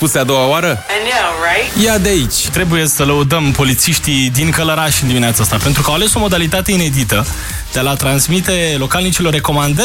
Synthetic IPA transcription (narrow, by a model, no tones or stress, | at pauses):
pusead̪o̞waoaɾənaɹatjad̪eait͡ʃʲt̪ɾe̞buje̞sələud̪əmpo̞lit̪siʃt̪id̪iŋkələɾaʃɨnd̪imineat̪saast̪ape̞nt̪ɾukəawale̞so̞mo̞d̪alit̪at̪e̞ine̞d̪it̪ə | d̪̥ealat̪ɾanzmit̪e̞lo̞kalnit͡ʃilo̞rːe̞ko̞mand̪ə